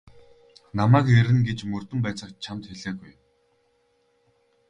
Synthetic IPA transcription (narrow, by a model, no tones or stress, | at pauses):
namæːkeɾɘ̆nɡet͡ɕmɵr̥t̪ɵ̆mpæːt͡sə̆kt͡ɕʰamt̪xeɮeːɣuj